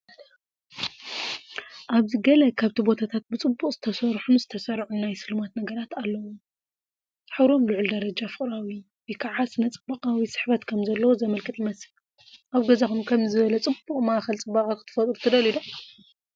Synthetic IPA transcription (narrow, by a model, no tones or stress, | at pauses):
ʔaβzɨɡɐlɐkʰaβt̪ʰibo̞t̪ʰat̪ʰat̪̚bɨt͡sʼɨbːukʼzɨ̥t̪ʰɐsɐɾħunzɨt̪ʰɐsɐɾʕunnajsɨlɨmat̪nɐɡɐɾat̪alːɐwu | ħɨβɾo̞mlɨʕuld̪ɐɾɐd͡ʒafɨχʼɾawi | bikʰaʕasnɐt͡sʼɨbɐqʼawisɨ̥ħβɐt̪kʰɐmzɐlːɐwozɐmɐlkʰɨt̪ɨmɐsɨl | ʔaβɡɐzaxumkʰɐmzɨβɐlɐt͡sʼɨbuqʼmaʔxɐlt͡sʼɨbɐkʼakʰɨ̥t̪ʰɨ̥fɐt̪ʼɾut̪ʰɨd̪ɐlid̪ɐ